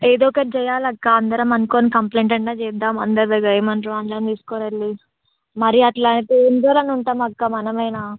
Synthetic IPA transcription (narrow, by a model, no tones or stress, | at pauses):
eːd̪oːkɐd͡ʒɛjaːlɐkːaɐnd̪ɐɾɐmɐnkoːnikɐmpleːɳʈɐɳʈːaːt͡ʃɛːd̪ːaːmɐnd̪ɐɾd̪ɐɡɐjɐmɐnɾoːɐnd̪ɐɾɐmt̪iːsu̥koːnɐɾli | mɐɾiɐʈlaːɳʈiind͡ʒoːlɐnuɳʈaːmɐkːamɐnɐmɐjnaː